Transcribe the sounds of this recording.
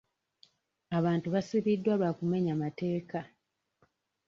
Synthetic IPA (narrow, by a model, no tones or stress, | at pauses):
aβaːntuβasiβidːwaβakume̞ɲamate̞ːka